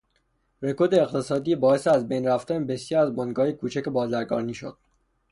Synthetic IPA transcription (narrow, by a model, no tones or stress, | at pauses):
ɾe̞kʰoɾd̪eːxt̪ʰe̞sɒːd̪iːbɒːeseæzbejnræft̪ænebesjɒːɾæzbonɡɒːjekʰuːt͡ʃʰæcebɒːzæɾɡɒ̰ːɾniːʃo̰d̪̥̚